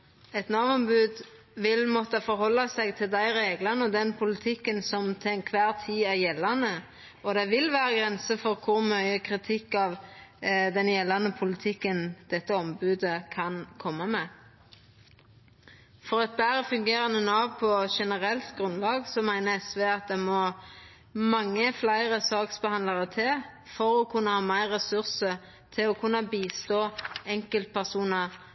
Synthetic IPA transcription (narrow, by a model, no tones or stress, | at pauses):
ɛt̪nɑːʋɔmbʉːd̪ | ʋɪlmɔt̪əfɔʁhɔlːɑsæɪɡt̪ʰɪld̪æɪʁeːɡlɑʁnəɔd̪ɛnpʰʊlɪt̪ʰɪkːənsɔmt̪ʰɪɛnkʰʋæːʁt̪ʰiːæʁjɛlːɑnə | ɔd̪ɛɪʋɪlʋæːʁəɡʁɛnsəfɔʁkʰʊʁmœʏəkʰʁɪt̪ʰɪkːɑːʋ | d̪ɛnjɛlːɑnəpʰʊlɪt̪ʰɪkːənd̪̥ɛt̪ːəɔmbʉːd̪əkʰɑnkʰɔmːɑmɛː | fɔʁɑt̪̚bæːʁəfʉŋɡeːʁɑnənoːpʰɔʃɛnəʁɛlt̪ɡʁʉnlɑːɡsɔmæɪnəɛsʋeːɑt̪̚d̪ɛmɔ | mɑŋːəflæɪʁəsɑːksbəhɑnləʁət̪ʰɪl | fɔʁɔkʰʉnːəhɑːmæɪʁːɛsʉʁsə | t̪ʰɪlɔkʰʉnːɑbiːst̪oːɛŋkəlt̪̚pʰæʁsuːnə